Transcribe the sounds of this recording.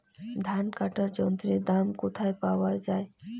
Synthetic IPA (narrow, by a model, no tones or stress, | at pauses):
d̪ʱankaʈəɾd͡ʒɔnt̪ɾid̪amkʊt̪ʰajpawad͡ʒae